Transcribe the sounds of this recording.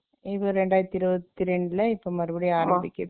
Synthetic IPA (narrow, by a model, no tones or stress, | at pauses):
ɪʋoɾɛɳɖaːjt̪ːɪɾɯʋɐt̪ːɪɾɛɳɖɪlɐɪpːoːmɐɾɯbɐɽiaːɾɐmbɪkʲːɐð